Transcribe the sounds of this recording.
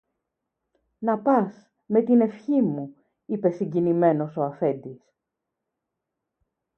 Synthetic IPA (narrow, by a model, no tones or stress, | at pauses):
nɐpɐs | me̞t̪ine̞fçimu | ipe̞siɲɟinime̞no̞so̞ɐfe̞nd̪is